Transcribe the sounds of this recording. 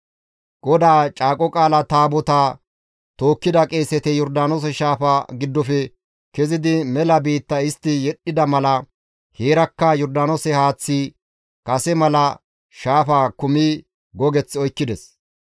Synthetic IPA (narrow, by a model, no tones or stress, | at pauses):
ɡ̥ɔd̪aːt͡ʃʼaːkʼɔkʼaːlɐt̪aːbɔt̪aː | t̪o̞ːkːɪd̪ɐkʼe̞ːsɛt̪ɛjɔɾd̪aːnos̬ɛʃaːfaːɡɪd̪ːɔfɛ | kɛzɪd̪ɪmɛlɐbiːt̪ːɐɪst̪ːɪjɛɗːɪd̪ɐmɐlɐ | heːɾɐkːɐjɔɾd̪aːnosɛhaːt͡sːiː | kʼɐsɛmɐlɐ | ʃaːfaːkʊmiː | ɡɔɡɛt͡sːɔjkːɪd̪ɛs